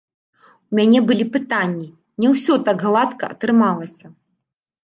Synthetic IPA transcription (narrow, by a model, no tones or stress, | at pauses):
umʲanʲɛbɨlʲipɨt̪anʲːi | nʲɛwsʲɔt̪aɡɣlˠat̪kɐɐt̪ɾɨmalˠɐsʲɐ